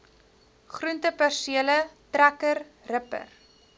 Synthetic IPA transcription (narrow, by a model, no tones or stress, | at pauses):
χruntəpærsiələtrækər | rəpə̰r